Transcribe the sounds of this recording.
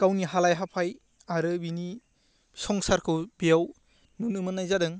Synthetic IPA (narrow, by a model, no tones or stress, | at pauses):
kawniɦalajɦapʰaj | aɾɯbini | sɔŋsaɾkʰɯwbijaw | nunɯmɯnːajzadɯŋ